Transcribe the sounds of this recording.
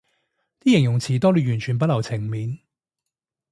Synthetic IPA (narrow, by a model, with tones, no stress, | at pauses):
t̪iː˥jɪ˨˩ŋjʊ˨˩ŋt͡sʰiː˨˩t̪ɔː˥lyː˧jyː˨˩nt͡ʃʰyː˨˩np̬ɐ˥t̚lɐ˨˩wt͡sʰɪ˨˩ŋmiː˨˧n